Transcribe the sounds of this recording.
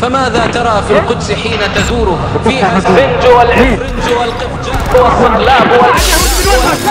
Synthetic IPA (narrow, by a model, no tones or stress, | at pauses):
famaːðaːt̪ɑɾˤɑfilqʊd̪sɪħiːnat̪aðuːɾʊɦafiːʔaɪnd͡ʒwalʕiːɾɪnd͡ʒwalqɪ | wasˤːʊnlaːbwalwa